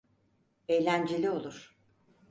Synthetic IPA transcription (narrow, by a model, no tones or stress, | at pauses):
ejlʲænd͡ʒelʲio̞lˠuɾ̥